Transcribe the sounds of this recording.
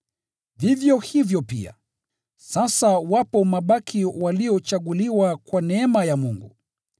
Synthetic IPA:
vivjɔhivjɔpḭa̰ | sasawapɔmaɓakʰiwaliɔt͡ʃaɠuliwakwanɛɛmajamuŋɡṵ

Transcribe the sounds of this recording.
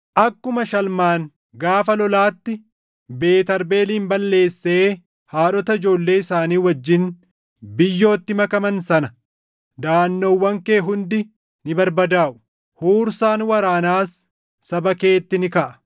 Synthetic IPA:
ʔɐkːʊmɐʃɐlmaːn | ɡaːfɐlɔlaːt̪ːɪ | be̞ːt̪ɐɾbe̞ːliːmbɐlːe̞ːsːe̞ː | haːᶑɔt̪ɐɪd͡ʒo̞ːlːe̞ːɪsaːniːwɐd͡ʒːɪn | bɪjːo̞ːt̪ːɪmɐkɐmɐnsɐnɐ | d̪aːnːɔwːɐŋke̞ːɦʊnd̪ɪ | nɪbɐɾbɐd̪aːʔʊ̥ | huːɾsaːnwɐɾaːnaːsː | ɐbɐke̞ːt̪ːɪnɪkɐʔɐ̥

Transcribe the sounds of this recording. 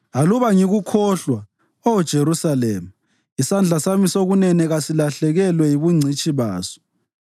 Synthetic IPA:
aluβaŋiɣukʰɔɬwa | od̥ʒ̥ʱeɾusalɛːma | isand͡ɮʱasamisoɣunɛnɛɣasilaɬɛɣɛlwɛjiβuŋ͡ǀʱit͡ʃʼiβa̰ːsɔ̥

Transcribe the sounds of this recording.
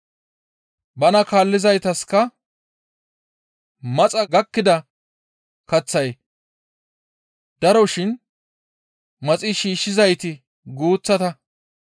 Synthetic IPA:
bɐnɐkaːlːɪzɐjt̪ɐskɐ | mɐt͡sʼɐɡɐkːɪd̪ɐ | kɐt͡sːɐj | d̪̥ɐɾɔʃɪn | mɐt͡sʼɪʃiːʃːɪzɐjt̪ɪ | ɡuːt͡sːɐt̪ɐ

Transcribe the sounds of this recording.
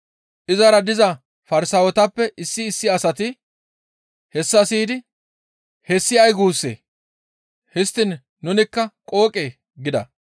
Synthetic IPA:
ʔɪzɐɾɐd̪ɪzɐ | fɐɾsɐwɔt̪ɐpːɛʔɪsːɪːsːɪɐsɐt̪ɪ | hɛsːɐsiːd̪ɪ | hɛsːɪɐjɡuːsːḛː | hɪst̪ːɪnː | ʊnɪkːɐkʼo̞ːkʼeː | ɡɪd̪ɐ̰

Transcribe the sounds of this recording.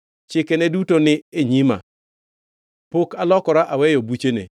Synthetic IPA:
t͡ʃɪkenedutonɪeɲima̰ | pokalɔkɔɾaʔawɛjobut͡ʃenḛ

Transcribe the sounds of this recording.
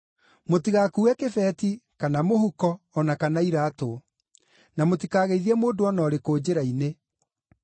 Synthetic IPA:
motiɣaːkuɛkefɛːtikanamohukɔː | nakanaiɾaːto | namotikaːɣeiðiɛmoːdoɔnɔːɾekoːd͡ʑeɾaine

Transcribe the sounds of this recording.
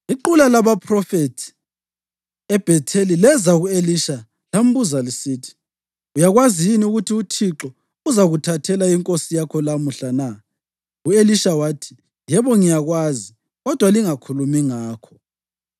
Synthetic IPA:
iǃulalaβapʰrɔfetʰi̥ | ɛb̥ʱɛtʰelilɛzaɣueliʃa | lam̩buzalisiːtʰi̥ | ujaɣwazijiniuɣutʰiutʰiǁɔ | uzaɣutʰatʰɛlaiŋkʼosijakʰɔlamuɬana | ueliʃawaːtʰi̥ | jɛβɔŋijaɣwaːzi | ɣɔd̥ʱwaliŋakʰulumiŋaːkʰɔ̥

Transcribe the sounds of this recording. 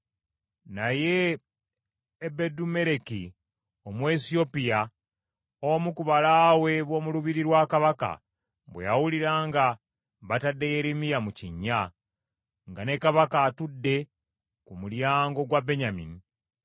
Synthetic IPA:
naje̞ | bedume̞ɾeki | o̞mwesio̞pija | omukuβalaːwe̞βwo̞ːmuluβiɾiɾwaːkaβaka̰ | βwḛjawuliɾaːŋɡa | βatadːe̞jeɾimijamuciɲːa | ŋɡane̞kaβakaːtudːe̞ | kumuljaːŋɡo̞ɡwabe̞ɲamḭni

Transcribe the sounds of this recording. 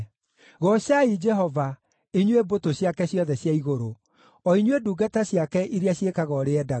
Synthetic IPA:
ɣɔɕaid͡ʒɛɦɔva | iɲwebotoɕjakɛɕjɔðɛɕjaiɣoɾo | ɔiɲweduːɡataɕjakɛʔiɾeaɕjekaɣɔɾeɛda

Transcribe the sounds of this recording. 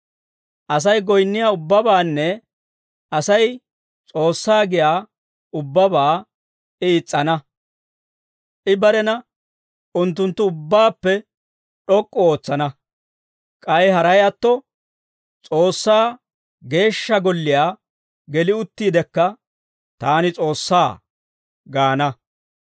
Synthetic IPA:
ʔɐs̬ɐjɡɔjnːɪjaːʊbːɐbaːnːɛ | ɐsɐj | t͡sʼo̞ːsːaːɡɪjaː | ʊbːɐbaː | ɪːt͡sʼːɐnɐ | ʔɪbɐɾɛnɐ | ʔʊnt̪ːʊnt̪ːʊʊbːaːpːɛ | ɗɔkʼːɔo̞ːt͡sːɐnɐ | kʼɐɛɦɐɾɐjɐt̪ːɔ | t͡sʼo̞ːsːaː | ɡe̞ːʃːɐɡɔlːɪjaː | ɡɛlɪʊt̪ːiːd̪ɛkːɐ | t̪aːnɪt͡sʼo̞ːsːaː | ɡaːnɐ

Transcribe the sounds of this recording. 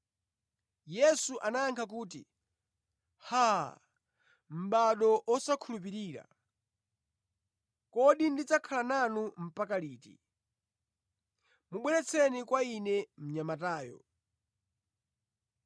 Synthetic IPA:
jɛsuʔanajaŋkʰak̬uːt̬ḭ | ha | m̩ɓaɗɔʔɔsakʰulup̬iɾiːɾa̰ | kɔɗindid͡zakʰalananum̩pakaliːtḭ | muɓwɛɾɛt͡sʰɛnikwainɛm̩ɲamataːjɔ̰

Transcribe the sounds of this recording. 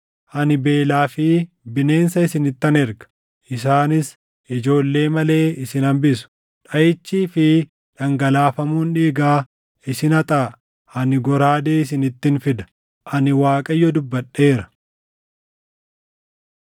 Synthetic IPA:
ʔɐnɪbe̞ːlaːfɪ | bɪne̞ːnsɐɪsɪnɪt̪ːɐnɛɾɡɐ̥ | ʔɪs̬aːnɪs | ʔɪd͡ʒo̞ːlːe̞ːmɐle̞ːɪsɪnɐmbɪsʊ̥ | ᶑɐjɪt͡ʃːiːfɪ | ᶑɐŋɡɐlaːfɐmuːnᶑiːɡaː | ɪsɪnɐt̪ʼaː | ʔɐnɪɡɔɾaːd̪eːɪs̬ɪnɪt̪ːɪnfɪd̪ɐ̥ | ʔɐnɪwaːkʼɐjːɔd̪ʊbːɐᶑːe̞ːɾɐ̥

